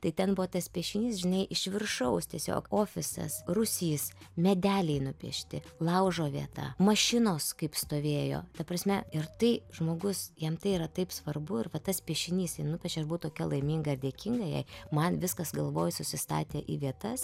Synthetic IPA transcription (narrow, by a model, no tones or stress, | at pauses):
t̪ɐɪt̪ʲɛnbʊʋoːt̪ɐspʲiɛʃʲɪnʲiːsʒʲɪnɐɪʔɪʃʲʋʲɪrʃɐʊst̪ʲiɛsʲo̰ːkoːfʲɪsɐ̰srʊsʲiːsmʲɛd̪ʲæːlʲɛɪnʊpʲḭɛʃʲt̪ʲɪlˠɐʊʒoːʋʲiɛt̪ɑ̰mɐʃʲɪnoːskɐɪpst̪oːʋʲeːjo̰ːt̪ɐpɾɐsʲmʲɛɪrt̪ɐɪʒmoːɡʊsjɛmt̪ɐɪiɾɐt̪ɐɪpsʋɐrbʊɪrʋɐt̪ɐspʲiɛʃʲɪnʲiːstɪnʊpʲɛt͡ʃʲɛɐʃbuːt̪oːkʲɛlˠɐɪmʲiːŋɡɐɪɾd̪ʲeːkʲɪŋɡɐjɛ̰ɪmɐnʋʲɪskɐsɡɐlˠʋoːjsʊsʲɪst̪ɑ̰ːt̪ʲeːʔḭːʋʲiɛt̪ɐs